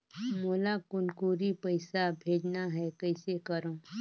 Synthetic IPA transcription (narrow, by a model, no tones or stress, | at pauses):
moːlakʊnkuːɾipɐɪsabʱeːd͡ʒnaɦɛkɐɪsekɐɾõː